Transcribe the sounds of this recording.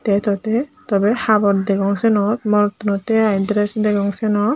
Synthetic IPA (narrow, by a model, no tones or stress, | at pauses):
t̪ɛt̪ɔt̪ɛt̪ɔbɛhabɔɾd̪ɛkɔŋsɛnɔt̪mɔɾɔt̪unɔt̪ɛajd̪ɾɛsd̪ɛkɔŋsɛnɔ